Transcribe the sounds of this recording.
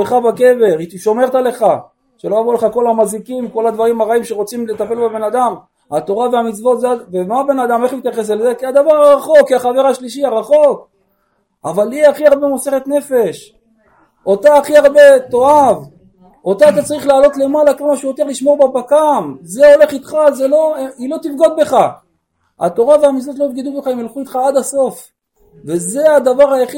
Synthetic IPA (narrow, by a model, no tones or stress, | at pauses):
eχabake̞ve̞ʁiʃo̞meʁt̪ale̞χa | ʃelo̞javule̞χako̞lamazikimko̞lad̪vaʁimaʁaimʃeʁo̞t͡simle̞t̪afe̞lbebe̞nad̪am | hat̪o̞ʁaveamit͡svo̞t̪zeavemaabe̞nad̪ameχmit̪jaχes̬elzekiad̪avaʁaʁaχo̞kːiaχave̞ʁaʃliʃiaʁaχo̞k | avaliaχiaʁbe̞mo̞se̞χet̪ne̞fe̞ʃ | ot̪aːχiaʁbe̞t̪o̞av | o̞t̪aːt̪at͡saʁiχlaːlo̞t̪le̞malakolmaʃujot̪e̞ʁliʃmo̞ʁbabakamzeo̞le̞χit̪χazelo̞eilo̞t̪ifɡod̪̚be̞χa | a̰t̪o̞ʁaveamit͡slot̪loifɡid̪ubeχaemelχuit̪χaad̪aso̞f | ve̞ze̞ad̪avaʁhajaχi